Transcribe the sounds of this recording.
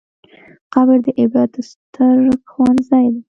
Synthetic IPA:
qɑbəɾd̪əʔɪbɾɑd̪̚əst̪ʰəɾɡwɑnzɑjd̪e

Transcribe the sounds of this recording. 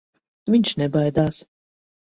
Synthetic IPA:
viɲʲʃnɛbajd̪aːs

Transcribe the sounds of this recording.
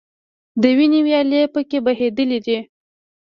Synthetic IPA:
d̪əwinewjɑlepəkebaɦed̪əlid̪i

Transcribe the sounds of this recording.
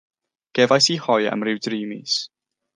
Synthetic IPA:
ɡ̥ɛvajsihɔjə̰mrɪwdriːmḭs

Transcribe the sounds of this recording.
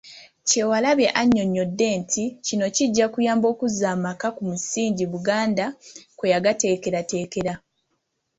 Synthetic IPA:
ce̞walaβe̞ʔaɲːo̞ɲːo̞dːe̞ːntʰicino̞ciɟːakujaːmbo̞ːkuzaːmakakumusiːɲɟiβuɡaːndakwejaɡate̞ːke̞ɾate̞ːke̞ɾa

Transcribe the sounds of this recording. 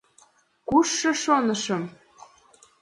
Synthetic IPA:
kuʃːɤ̆ʃonɤ̆ʃɤ̆m

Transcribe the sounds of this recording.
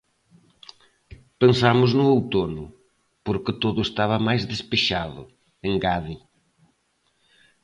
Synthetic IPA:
pẽnsamʊznʊowt̪onʊ | poɾkɪt̪oðʊest̪aβɐmajzðespeʃaðʊ̰ | ẽŋɡaði

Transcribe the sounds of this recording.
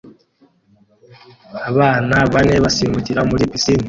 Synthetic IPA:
aβaːnaβane̞βasimuciɾamuɾipisini

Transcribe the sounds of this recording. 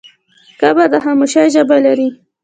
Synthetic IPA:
kabad̪əɦamuʃajʒəbalaɾi

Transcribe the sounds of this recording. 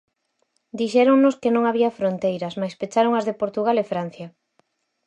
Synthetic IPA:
d̪iʃɛɾoŋnoskɪnõŋaβiɐfɾont̪ejɾɐsmajspet͡ʃaɾoŋɐzðepoɾt̪uɣalefɾan̟θjɐ

